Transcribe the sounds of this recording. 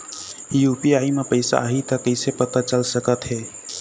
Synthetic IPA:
ijuːpiaːimepəɪsa̰ɦit̪əkəɪsepət̪at͡ʃəlsəkət̪ɦɛː

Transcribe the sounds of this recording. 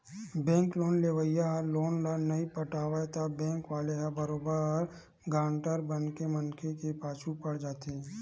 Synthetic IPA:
bɛ̃ːŋkloːnleːʋəjaɦəloːnlanɐipəʈaːʋat̪abɛ̃ːŋkʋaːleɦabəɾoːbəɾɔːɾ | ɡãːɳʈəɾbənkemənkʰekepaːt͡ʃʰupəɽd͡ʒaːt̪eɛ̃

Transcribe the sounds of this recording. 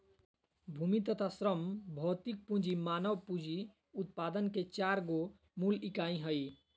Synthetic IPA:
bʱumit̪ət̪ʰasɾəmbʱɔːt̪ik̚pũd͡ʒimanəʋpud͡ʒi | ut̪̚pad̪ənket͡ʃaɾɡo | mulikaĩɦəi

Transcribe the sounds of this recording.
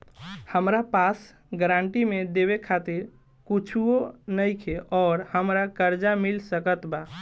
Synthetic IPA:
həmɾapas | ɡəɾãɳʈimẽd̪eβekʰat̪iɾ | kut͡ʃʰuonəjkʰeʔɔːɾhəmɾakəɾd͡ʒamilsəkət̪ba

